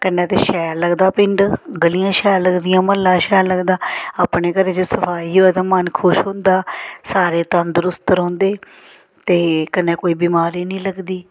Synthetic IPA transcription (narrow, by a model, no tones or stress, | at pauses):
kənːɛ̃ːt̪eːʃɛːɾləɡd̪aːpɪɳɖɡəlijãːʃɛːɾləɡd̪ijãːməlːãːʃɛːɾləɡd̪aːaːpɳeːkəɾeːd͡ʒɪsəpʰaːiːɦoɛːt̪ãːmənkʰʊʃɦʊ̃nd̪aːsaːɾeːt̪ə̃nd̪ɾʊst̪əɾõːnd̪eː | t̪eːkənːẽːkoːiːbiːmaːɾiːnĩːləɡd̪iː